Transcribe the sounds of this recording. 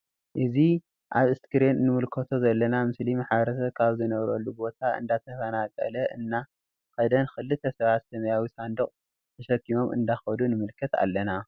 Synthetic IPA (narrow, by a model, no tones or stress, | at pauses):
ʔɨzi | ʔa̰βɨskɨɾe̞nːɨmɨlkʰɐt̪ʰo̞zɐlːɐnamɨslimaħβɐɾɐsɐβkʰaβzɨnɐβɾɐlːubo̞t̪ʰaɨ̰nd̪at̪ʰɐfɐnakʼɐ̰lɐʔɨnːa | kɐd̪ɐnxɨlːɨt̪ʰːɐsɐβat̪sɐmɐjawisand̪ɨχʼ | t̪ʰɐʃɐkʰːimo̞mʔɨ̰nd̪axɐd̪unɨmɨlkʰɐt̪a̰lːɐna